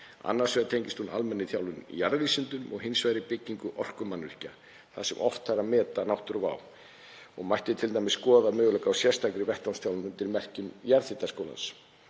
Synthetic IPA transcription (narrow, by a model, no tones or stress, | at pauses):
a̰nːaɾ̥svɛːðat̪ʰejɲcɪst̪huna̰lmɛnːɪθjawlʏnijaɾvisʏnt̪ʏmɔ̰ɣɦɪnsvajɾɪpɪcːiŋkʏʔɔr̥kʏmanːvɪ̰r̥ca | θasɛmʔɔ̰ft̪aɾamɛːt̪anawht̪ʏɾva̰w | ɔɣmajht̪ɪt̪ʰɪlt̪ajmɪskɔːðamœːɣʏlœkawsjɛɾ̥st̪ʰakɾɪvɛhkt̪awnst̪jawlnʏnt̪ɪɾmɛr̥cɪmjaɾθit̪askowla̰ns